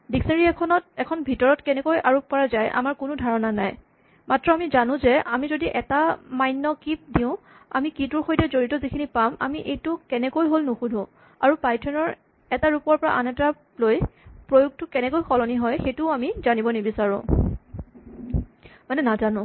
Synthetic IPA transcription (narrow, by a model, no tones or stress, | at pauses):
diksenɹiɛkʰɔnɔtɛkʰɔnbʱitɔɹɔtkɛnɛkojʔaɹup̚pɔɹazajʔa̰maɹkʊnʊdʱaɹɔnanaj | matɹɔamizanʊ̃zɛamizodiʔɛtamajnːɔkip̚diʊ̃ | a̰mikitʊɹxojtɛzoɹitɔzikʰinipama̰miʔejtʊkɛnɛkojɦolnoxudʱũ | aɹupajtʰɔnɔɹ | ɛtaɹupɔɹpɔɹa̰ʔa̰nɛta | lojpɹojuɡ̚tʊkɛnɛkojxɔlɔniɦɔjxejtʊamizanibɔnebisaɹʊ̰̃ | manɛnazanʊ̃